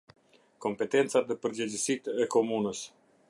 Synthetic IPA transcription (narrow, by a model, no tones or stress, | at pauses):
kɔmpɛt̪ɛnt̪t͡sat̪əpəɾd͡ʑəd͡ʑəsit̪ɛkɔmunəs